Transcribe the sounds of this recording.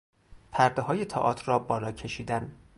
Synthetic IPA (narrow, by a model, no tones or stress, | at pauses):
pʰæɾd̪eɦɒːjet̪ʰɒ̰ːʔɒːt̪ʰrɒːbɒːlɒːcʰe̞ʃiːd̪æn